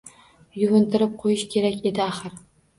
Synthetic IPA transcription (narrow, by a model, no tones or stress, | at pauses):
jʊvʊnt̪ʰɪɾɪp̚qʰojɪʃkʲʰe̞ɾakʲe̞d̪ɪaχɨɾ